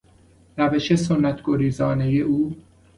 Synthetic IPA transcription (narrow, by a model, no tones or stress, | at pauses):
ɾæveʃesonːæt̪ʰɡ̥oɾiːzɒːnejeʔuː